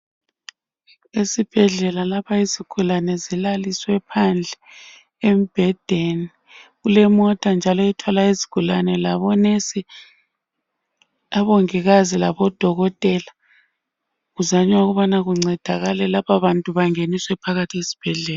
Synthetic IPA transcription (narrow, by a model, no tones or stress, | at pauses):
esib̥ʱɛɮɛlalapʰaiziɡ̥ʱulanɛzilaliswɛpʰand͡ɮʱɛ | em̩b̥ʱɛd̥ʱeni | ɣulɛmɔtʼand͡ʒʱalɔɛtʰwalaiziɡ̥ʱulanɛlaβɔnesi | aβoŋiɣazilaβɔd̥ʱɔɣɔtʼɛla | ɣuzaɲwaɣuβanaɣuŋ͡ǀɛd̥ʱaɣalɛlapaβantʼuβaŋeniswɛpʰaɣatʰiɣwesi̥b̥ʱɛɮɛːla